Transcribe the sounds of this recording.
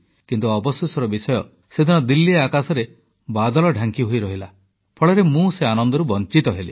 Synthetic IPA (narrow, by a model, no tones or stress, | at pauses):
kint̪uɔbɔsusɔɾɔbisɔjɔ | sed̪ʱinɔd̪ilːiakasɔɾe | bad̪ɔlɔɖʱaŋkiɦoiɾɔɦila | pʰɔɭɔɾemũseanɔnd̪ɔɾubɔnt͡ʃit̪ɔɦelḭ